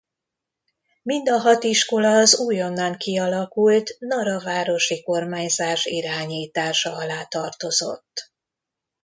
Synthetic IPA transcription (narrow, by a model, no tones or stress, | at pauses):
mind̪ɒɦɒt̪iʃko̞lɒːzuːjo̞nːɒŋkiɒlɒkult̪nɒɾɒvaːɾo̞ʃiko̞rmaːɲzaːʃiɾaːɲiːt̪aːʃɒɒlaːt̪ɒrt̪o̞zo̞̰t̪ː